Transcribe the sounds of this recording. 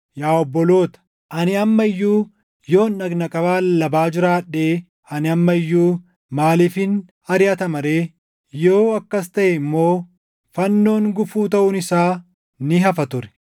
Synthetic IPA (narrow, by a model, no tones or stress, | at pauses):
jaːɔbːɔlo̞ːt̪ɐ̥ | ʔɐnɪɐmːɐɪjːuː | jo̞ːnɐɡnɐkʼɐbaːlɐbaːd͡ʒɪɾaːᶑeː | ɐnɪɐmːɐɪjːuː | maːliːfɪn | ɐɾɪjɐt̪ɐmɐɾeː | jo̞ːɐkːɐst̪ɐʔɛɪmːo̞ː | fɐnːo̞ːŋɡʊfuːt̪ɐʔʊnɪsaː | nɪɦɐfɐt̪ʊɾɛ̥